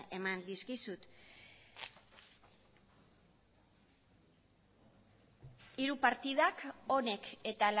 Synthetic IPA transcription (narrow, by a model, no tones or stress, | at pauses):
e̞mand̪iskisut̪ | iɾupaɾt̪ið̞ako̞ne̞ke̞t̪al